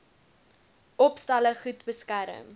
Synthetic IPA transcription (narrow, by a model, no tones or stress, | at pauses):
ʔɔpstɐləχutbəskæɾə̰m